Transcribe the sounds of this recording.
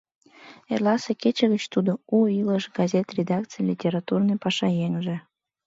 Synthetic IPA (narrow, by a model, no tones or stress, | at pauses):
erlɑseket͡ɕəɣət͡ɕt̪ud̪ouiləʃɡazʲet̪rʲed̪ɑkt͡sɨjlʲitʲeɾɑt̪urnəjpɑʃɑjeŋʒĕ